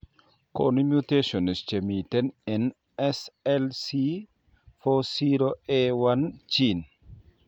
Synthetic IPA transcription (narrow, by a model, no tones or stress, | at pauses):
ko̰nimjuteʃɔnist͡ʃemitɛnɛn | ɛsɛlsi | fɔsiɾoewant͡ʃin